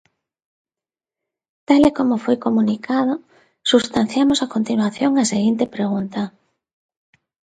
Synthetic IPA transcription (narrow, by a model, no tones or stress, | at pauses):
t̪alekomofojkomunikʰað̞o | sust̪an̟θjamosakont̪inwaθjoŋɐseɣint̪epɾeɣunt̪ɐ